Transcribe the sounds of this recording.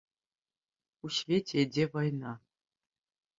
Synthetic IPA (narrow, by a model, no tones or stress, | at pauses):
uɕvʲetʰʲedʲevɤjnɑ